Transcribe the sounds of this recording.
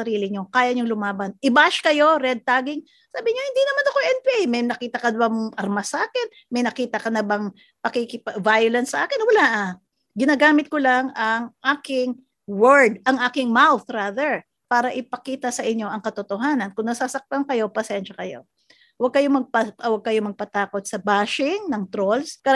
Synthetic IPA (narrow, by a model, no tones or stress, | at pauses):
ɐɾiːlɪɲokaːjɐɲoŋlʊmaːbɐnʔɪbaʃkɐjo̞ɾɛd̪̚t̪aːɡɪŋ | saːbɪɲohɪnd̪inɐmanɐkoʔɛnpɪʔɛjmɐjnɐkiːt̪ɐkɐnɐbamʔɐɾmasaːkɪn | mɐjnɐkiːt̪ɐkɐnɐbɐŋ | pɐkɪkɪpvajʊlɐnsːɐʔaːkɪnwɐlaʔ | ɡɪnaːɡaːmɪt̪̚kolɐŋɐŋʔaːkɪŋ | wɛɹd̪ʔɐŋʔaːkɪŋmawθɾaðɛɹ | paːɾɐʔɪpɐkiːt̪ɐsɐʔɪɲo̞ʔɐŋkɐt̪ot̪oɦaːnɐnkʊŋnɐsasɐk̚t̪ɐŋkɐjo̞pɐsɛnʃɐkɐjo̞̰ | wɐɡ̚kɐjomɐɡ̚pɐwɐɡ̚kɐjomɐɡ̚pɐt̪aːkot̪̚sɐbaːʃɪŋnɐŋt̪ɾolskɐ